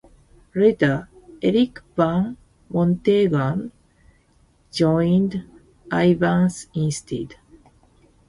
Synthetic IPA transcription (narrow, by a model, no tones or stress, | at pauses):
ɹet̪a | eɾikbãn | mõnt̪eɡan | d͡ʒoj̃nd̪ | ajvãnsĩnst̪id̪